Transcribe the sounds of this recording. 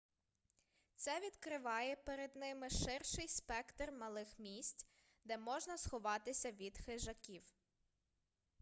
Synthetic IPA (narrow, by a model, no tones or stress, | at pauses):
t̪sɛʋʲid̪kɾɪʋɑjɛpeɾed̪nɪmɪʃɪrʃɪjspɛkt̪rmɐlˠɪxmʲisʲtʲ | d̪ɛmɔʒnɐsxɔʋɑt̪ɪsʲɐʋʲid̪xɪʒɐkʲiw